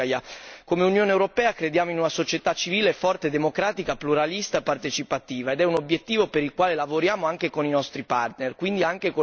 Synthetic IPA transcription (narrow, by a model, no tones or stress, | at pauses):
jakomeunjoːnewɾopɛːakɾed̪jaːmoinunasot͡ʃet̪at͡ʃiviːlefɔrt̪ed̪emokɾaːt̪ikapluɾalist̪aepːart̪et͡ʃipat̪iːvaed̪ɛunobjet̪ːiːvopeɾilkwaːlelavoɾjaːmoaŋkekoninɔst̪ɾipart̪nerkwind̪iaŋkeko